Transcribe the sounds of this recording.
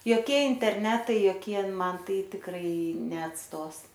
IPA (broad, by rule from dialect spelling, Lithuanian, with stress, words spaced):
joːˈkʲiɛ ɪnʲtʲɛrʲˈnʲæːtɐɪ joːˈkʲiɛ ˈmɐn ˈtɐɪ tʲɪkˈrɐɪ nʲɛɐtˈstoːs